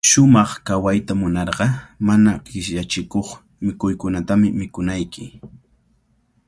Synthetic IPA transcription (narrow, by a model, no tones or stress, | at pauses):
ʃʊmɑχkawajt̪amʊnɑɾɢɑmanaqɪʃʎat͡ʃɪkoχ | mɪkʊjkʊnat̪amɪmɪkʊnajkʰɪ